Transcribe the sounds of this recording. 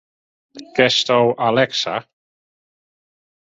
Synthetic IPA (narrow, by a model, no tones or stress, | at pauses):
ɡ̥ɛstowʔalɛksa̰